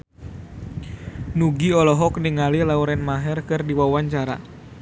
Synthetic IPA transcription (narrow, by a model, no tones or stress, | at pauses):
nuɡiɔlɔɦɔkniŋalilauɾɛnmaɦɛrkɨrdiwawaɲt͡ʃaɾa̰